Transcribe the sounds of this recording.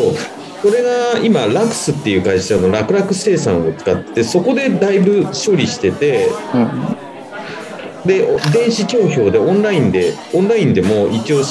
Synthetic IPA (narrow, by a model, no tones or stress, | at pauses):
o | so̞ɾe̞ɡaimaɾakɯ̟̥sɨt̪ːejɯ̟kaiɕano̞ɾakɯ̟ɾakɯ̟se̞ːsã̰ɰ̃o̞t͡sɨ̥kat̪ːe̥t̪e̞so̞ko̞d̪e̞d̪aibɯ̟ɕo̞ɾʲiɕi̥t̪e̞t̪e̞ | d̪e̞ʔod̪ẽ̞ɰ̃ɕikʲo̞ːço̞ːd̪e̞õ̞nɾaĩnd̪e̞ | õ̞nɾaĩnd̪e̞mo̞ʔikʲio̞ː